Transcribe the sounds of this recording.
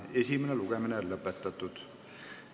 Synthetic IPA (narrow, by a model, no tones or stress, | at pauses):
e̞sʲimeneluɡ̥eminelɤpːˑet̪ːˑɑt̪ːˑud̪̥